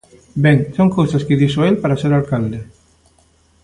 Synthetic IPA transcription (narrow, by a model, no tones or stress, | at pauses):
beŋsoŋkowsaskeðisoelpaɾaseɾalkald̪e